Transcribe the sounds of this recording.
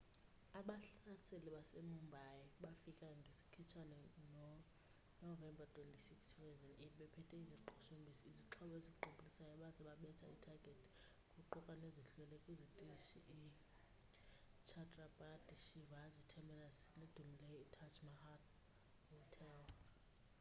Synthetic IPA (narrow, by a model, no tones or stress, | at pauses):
aɓaɬaselɛɓasemumbʱajɛɓafikʼaŋɡʱesi̥kʰit͡ʃʰanɛnɔ | nɔvɛmbʱatʰʼwɛntʼisikstʰusɛvɛnetʰɓɛpʰɛtʰʼɛiziǃʰɔ̥ʃombʱisɔiziǁʰɔɓɔezikǃobʱʼulisajɔɓazɛɓaɓɛtʰa̰itʰaɡ̥ʱetʰi̥ | kʼuǃukʼaneziɬɛlɛkʼuzitʼiʃiʔi | t͡ʃʰatʼrabadʼiʃivazitʰɛmbɛnasned̥ʱumilɛjɔitʰat͡ʃʰʼmahat | hɔtʰɛl